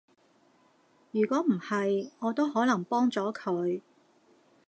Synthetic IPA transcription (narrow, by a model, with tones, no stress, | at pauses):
jyː˨˩kʷɔː˨˥m̩˨˩hɐ˨jŋɔː˨˧t̪o˥whɔː˨˥lɐ˨˩ŋpɔː˥ŋt͡sɔː˨˥kʰɵ˨˧ɥ